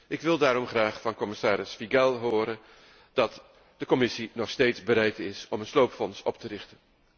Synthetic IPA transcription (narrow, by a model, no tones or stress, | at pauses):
ʔɪkʋɪlˠdaːɾɔmχraːχfɑnkɔmɪsaːɾɪsfiɡɛlˠɦʊːɾən | d̥ɑt | d̥əkɔmɪsinɔχstejtzbəɾɛjtɪsɔmənslowpfɔnsɔ̰p̚tərɪχtən